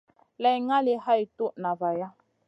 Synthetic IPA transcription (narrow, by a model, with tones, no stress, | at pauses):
lɛ˨jŋa˦li˦ha˦i˨tu˦ʔna˨va˨ja˦